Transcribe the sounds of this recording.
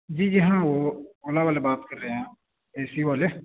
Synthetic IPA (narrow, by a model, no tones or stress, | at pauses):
d͡ʒiːd͡ʒɪɦãːoːoːlaːʋaːleːbaːt̪kəɾːeːãː | ɛːsiːʋaːleː